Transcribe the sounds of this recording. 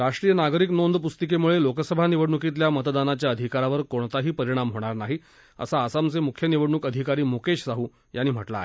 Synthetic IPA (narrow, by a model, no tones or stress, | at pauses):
ɾaʂʈɾijənaɡɾiknond̪pust̪əkemuɭelokəsəbʱaniʋəɽɳukit̪̬ljamət̪d̪anat͡ɕjaəd̪ʱikaɾaʋəɾkoɳt̪aɦiːpəɾiɽ̃amɦoɽ̃aɾnaɦi | ə̰saːsamt͡semukʰjəniʋəɽɳukəd̪ʱikaɾiːmukeɕsaɦuː | janːiːm̤əʈla̰aɦe